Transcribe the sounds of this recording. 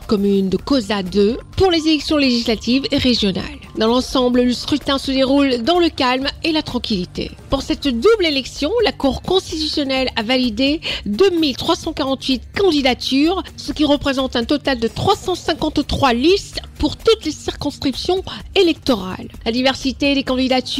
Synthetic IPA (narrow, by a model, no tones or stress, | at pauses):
kɔmynd̪əkozad̪øpuʁlezelɛksjɔ̃leʒislat̪iveʁeʒjɔna̰ld̪ɑ̃lɑ̃sɑ̃blləskχyt̪ɛ̃səd̪eʁuld̪ɑ̃ləkalmelat̪χɑ̃kʲilit̪ḛpuʁsɛt̪d̪ublelɛksjɔ̃lakuʁkɔ̃st̪it̪ysjɔnɛlavalid̪ed̪ømilt̪χwasɑ̃kaʁɑ̃t̪ɥit̪kɑ̃d̪id̪at̪yʁsəkʲiʁəpχezɑ̃t̪ɛ̃t̪ɔt̪ald̪ət̪χwasɑ̃sɛ̃kɑ̃t̪t̪χwalispuʁt̪ut̪lesiʁkɔ̃skχipsjɔ̃elɛk̚t̪ɔʁa̰llad̪ivɛʁsit̪ed̪ekɑ̃d̪id̪at̪